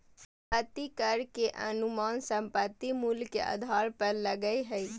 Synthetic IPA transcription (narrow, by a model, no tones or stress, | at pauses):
sə̃mpət̪ːikəɾkeʔə̰nʊmaːnsə̃mpət̪ːimʊlkḛʔə̰d̪ʱaːɾpəɾləɡəiɦəiː